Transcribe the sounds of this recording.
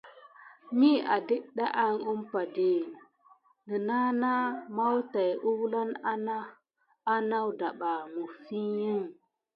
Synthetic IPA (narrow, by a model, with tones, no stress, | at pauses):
mi˦a̰˨di˦ʔɗa˦ʔa˦ŋu˦mpa˨di˨ | nə˨na˦na˦ma˦wta˨jʔu˦wla˦na˦na˦ | a˦na˦wda˨ɓa˨mu˨fi˦jə˦ŋ